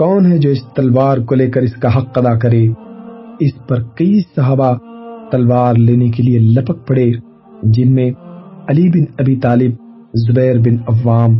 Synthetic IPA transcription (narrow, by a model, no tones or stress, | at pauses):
kɔːnɦɛd͡ʒoːɪst̪ɐlʋaːɾkoleːkɐɾɪskaɦɐqːɐd̪akɐɾeː | ɪspɐɾkɐiːsɐɦaːbat̪ɐlʋaːɾleːnek̬elielɐpək̚pɐɽeː | d͡ʒɪnmẽɐlibɪnɐbiːt̪aːlɪb̚ | zʊbɛːɾbɪnɐʋːaːm